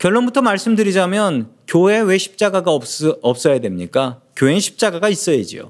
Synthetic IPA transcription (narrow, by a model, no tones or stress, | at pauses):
kjʌɭːonbutʰʌmaɭs͈ɯmdɯɾid͡ʑamjʌnkjoɦe̞we̞ɕʰi̥p̚t͡ɕ͈aɡaɡaʌp̚s͈ʌjadwe̞mɲik͈akjoɦenɕʰi̥p̚t͡ɕ͈aɡaɡais͈ʌjed͡ʑḭjo̰